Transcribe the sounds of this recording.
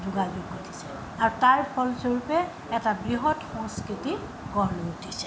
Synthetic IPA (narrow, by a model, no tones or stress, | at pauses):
zuɡazuɡotʰi̥sɛ̥ | aɹutaɹpʰɔlsoɹupɛː | tabɹiɦɔtxɔ̃ŋskɹiti | ɡɔɹnoutʰisɛ